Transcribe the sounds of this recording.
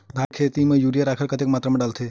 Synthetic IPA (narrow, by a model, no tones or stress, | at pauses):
d̪ʱãjkʰet̪imejuɾijaɾakʰəɾkət̪ek̚mat̪ɾameɖalt̪ʰe